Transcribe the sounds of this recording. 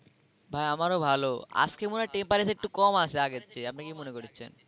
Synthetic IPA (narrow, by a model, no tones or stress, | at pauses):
bʱajamaɾobʱaloa̰skemunaʈempaɾesek̚ʈukɔmat͡ɕʰeaɡetːɕʰeap̚nakimonekoɾit͡ɕʰḛn